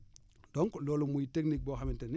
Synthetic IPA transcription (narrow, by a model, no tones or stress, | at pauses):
dɔŋklɔːlumujiteknik̚boːxaminten